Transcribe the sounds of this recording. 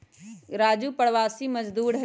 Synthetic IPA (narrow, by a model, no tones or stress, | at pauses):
ɾaːd͡ʒuːpɐɽʋaːsimɐd͡ʒd̪uːɾɦɐ